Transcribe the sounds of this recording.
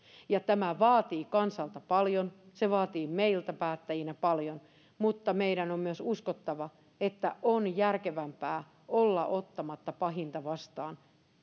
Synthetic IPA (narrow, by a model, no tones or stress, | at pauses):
jɑt̪æmæʋɑːt̪iːkɑnsɑlt̪ɑpɑljonseʋɑːt̪iːmeilt̪æpæːt̪ːæjinæpɑljon | mut̪ːɑmeiɾænommyøsuskot̪ːɑʋɑ | et̪ːæʔonjærkeʋæmpæː | olːɑʔot̪ːɑmɑt̪ːɑpɑɦint̪ɑʋɑst̪ɑːn